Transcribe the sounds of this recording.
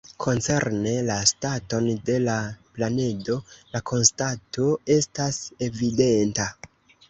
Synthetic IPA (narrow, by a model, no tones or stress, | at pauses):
kʰo̞nt͡se̞ɾne̞lastato̞nde̞laplane̞do̞lakʰo̞nstato̞e̞stase̞vide̞nta